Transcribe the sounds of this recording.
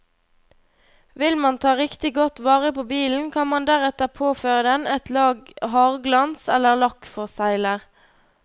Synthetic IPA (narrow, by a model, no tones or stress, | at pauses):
ʋɪlmɑnt̪ʰɑːʁɪkt̪ɪɡɔt̪ʋɑːʁəpoːbiːln̩kʰɑnmɑnd̪æʁɛt̪əʁpʰoːføːʁəd̪ɛnɛt̪lɑːɡɦɑːʁɡlɑnsɛləʁlɑkfɔʁsæɪləʁ